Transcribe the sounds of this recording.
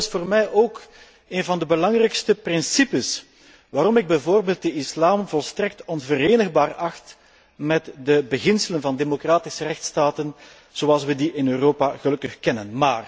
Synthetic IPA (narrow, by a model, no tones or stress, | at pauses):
ɪsfoːrmɛjʔoːk | eːnvɑndəbəlɑŋrɛjkstəprɪnsipəs | ʋaːɾɔmɪɡ̚bɛjvoːrbeːlˠt̚dəɪslaːmvɔlˠstrɛk̚tɔnvəɾeːnəɣbaːrɑxt | mɛtdəbəɣɪnsələnvɑndemokraːtɪsərɛxtstaːtən | z̥oɑlˠsʋədiʔɪnøːroːpaɣəlɵkəxkɛnənmaːr